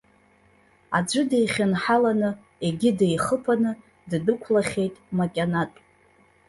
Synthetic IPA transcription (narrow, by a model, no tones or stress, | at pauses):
a̰d͡ʒʷɨdejχʲɨnħalanɨ | e̞ɡʲɪdejχəpʰanɨ | ddɨkʷʰlaχʲe̞jtʼmakʲʼanatʼ